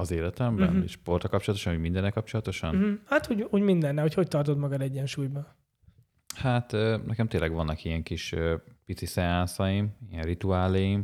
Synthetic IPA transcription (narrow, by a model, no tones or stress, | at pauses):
ɒzeːlɛt̪ɛmbɛ̰nḭʃpo̞rt̪ɒkɒp̚t͡ʃoɒt̪o̞ʃɒnuːɟmind̪ɛnːɛlkɒpt͡ʃo̞lɒt̪o̞ʃɒnhat̪uːɟuːɟmind̪ɛnːɛho̞cho̞c̚t̪ɒrt̪o̞t̪mɒɡɒd̪ɛɟːɛnʃuːjbɒ | hat̪ønɛkɛmt̪eːlʔɛɡʋɒnːɒkiɛŋkiʃøpit̪sisɛaːnsɒjimijɛnrit̪uaːlɛjim